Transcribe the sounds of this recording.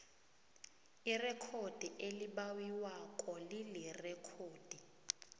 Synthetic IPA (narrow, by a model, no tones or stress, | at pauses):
irɛkʰod̥ʱiʔeliɓawiwakʼɔlilɛrɛkʰoːd̥ʱi